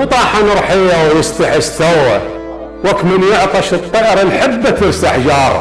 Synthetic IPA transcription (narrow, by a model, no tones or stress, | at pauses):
t̪ˤɑːħanɨɾˤħijawjɪst̪aħɪst̪awa | wakmɪnjɪʕq̪ˤɑʃɨt̪ˤːɑʔɾˤɑlħɪbːat̪ɪɾsaħd͡ʒɑːɾˤ